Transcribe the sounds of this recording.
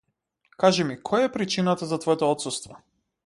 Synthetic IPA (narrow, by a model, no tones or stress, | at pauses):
kaʒɛmikʰɔjaɛpɾit͡ʃinat̪azat̪vɔjt̪ɔɔt̪sust̪vɔ